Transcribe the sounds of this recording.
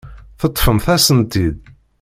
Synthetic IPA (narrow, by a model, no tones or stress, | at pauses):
θət̪ˤːfəmθæsənt̪id̪